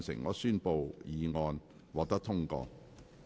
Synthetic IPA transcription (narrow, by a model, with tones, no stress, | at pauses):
nsɪ̰˨˩ŋŋɔː˨˧syː˥npo˨wjiː˨˧ŋɔː˧n | wɔː˨˧k̚t̪ɐ˥k̚t̪ʰʊ˥ŋkɔ̰ː˧